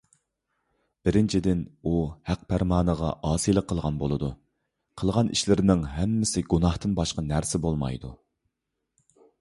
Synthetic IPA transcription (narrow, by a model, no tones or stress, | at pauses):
b̥ɪɾɪnt͡ʃʰid̪ɪnuhæq̚pʰæɾmɑːnəʁɑʔɑːsijlˠəqʰːəlˠʁɑnbolˠɨd̪u | qʰəlˠʁɑniʃlɪɾɪnɪŋɦɛmːɪsɪɡunɑht̪ɨnbɑʃqɑnæɾsɪbolˠmɑ̰jd̪u